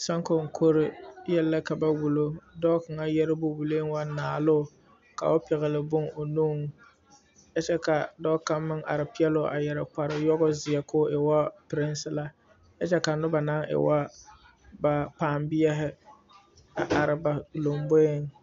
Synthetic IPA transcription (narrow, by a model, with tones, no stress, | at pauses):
sa˦ŋko˨ŋ̩˨kʰo˦ɾɪ˦jɛ˦lːa˦ka˨ba˦wu˨lo˦dɔ˦ka˨ŋa˦jɛ˦ɾɪ˦bʊ˦wu˨leː˦ŋ˦wa˦naː˨lʊ˦˨ | ka̰˨ʊ˦pɪ˨ɣɪ˨lɪ˦bʊ˦ŋo˨nuː˦ŋ˦ | jɛ˦t͡ʃɛ˦ka˨dɔː˦ka˦mːɪ˦ŋʔa̰˨ɾɪ˨pɪ˦ɛ˦lʊ˦ʔa̰˨jɛ˨ɾa˨k͡pa˨ɾɪ˦jɔ˦ɣɔ˦zɪ˨ɛ˨kʊ˦ɪ˨wa˦pɪ˨ɾɪ˦nsɪ˦la˦ | jɛ˦t͡ʃɛ˦ka˨nʊ˦ba˨na˦ŋɪ̰˨wa˦ | ba˨k͡paː˨mbɪ˦jɛ˦ɦɪ˦ | a˨ʔa˨ɾɪ˨ba˨lo˨mbo˦ɪ˦ŋ